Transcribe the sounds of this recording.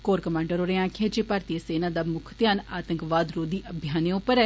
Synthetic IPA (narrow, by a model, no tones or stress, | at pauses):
koːɾkəmɛ̃ːɳɖəɾoːɾeãːkʰẽːd͡ʒeːpaːɾt̪iəseːnaːd̪aːmʊkʰt̪jaːnaːt̪ə̃ŋkʋaːd̪ɾoːd̪iːʔəbʱjaːneoʊ̃pəɾɛ